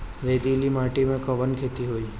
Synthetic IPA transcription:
ɾed̪ilimaʈimẽkəʋənkʰet̪iɦoːi

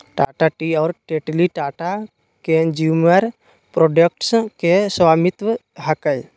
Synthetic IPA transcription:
ʈaːʈaʈiɔːɾʈeʈliʈaːʈa | ked͡ʒuməɾ | pɾoɖək̚ʈskeswamɪt̪ʋə | ɦəkəj

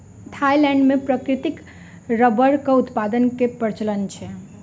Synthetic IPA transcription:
t̪ʰajilɛ̃ɳɖmepɾəkɾit̪ik | ɾəbəɾkəut̪pad̪ənkepəɾt͡ʃələnt͡ʃʰɛ

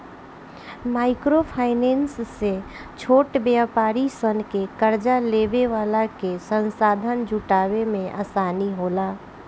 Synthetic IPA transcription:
maːɪkɾopʰaːɪneːnsːe | t͡ʃʰoːʈbjapaːɾisənkekəɾd͡ʒalebeʋaːlakesə̃nsaːd̪ʱənd͡ʒʱuʈaːβemẽʔa̰saːniɦoːlaː

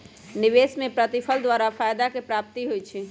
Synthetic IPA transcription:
niʋesmepɾət̪ipʰəld̪waɾapʰajd̪akepɾap̚t̪iɦojt͡ʃʰi

